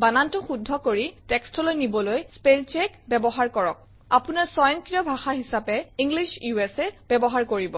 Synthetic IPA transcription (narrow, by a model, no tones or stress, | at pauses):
banantɔxudʱːɔkoɹitɛkstɔlojnibɔlojspelt͡ʃɛkbɛbɔɦaɹkɔɹɔk̚ | apunaɹsɔjɔnkɹijɔbʱaxaɦisapɛiŋɡliʃjuɛsɛb̥ɛbɔɦaɹkoɹibɔ